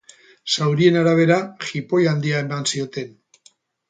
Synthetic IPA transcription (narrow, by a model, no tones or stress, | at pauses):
sawɾie̞naɾaβ̞e̞ɾaxipo̞jand̪iae̞mansio̞t̪e̞n